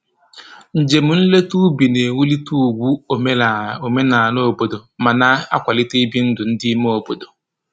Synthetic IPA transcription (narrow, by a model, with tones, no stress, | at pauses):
n̩˨d͡ʒe˨mu˨n̩˦le˦tu˦bi˨ne˨wu˦li˦tu˦u˨ɡʷu˦o˨me˦la˨o˨me˦na˨no˦˨bo˨do˨ma˨na˦a̰˦kʷa˨lɪ˦te˦bi˦n̩˦dʊ˨n̩˦dɪ˦mo˦o˨bo˨do˨